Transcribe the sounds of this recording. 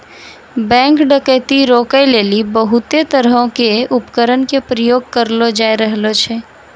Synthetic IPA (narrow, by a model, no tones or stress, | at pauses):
bɛ̃ːŋkɖəkət̪iɾoːkəjleːlibəɦʊt̪et̪əɾəɦõkeʊpkəɾənkepɾəjoːɡ̚kəɾlod͡ʒaːiɾəɦlot͡ʃʰɛː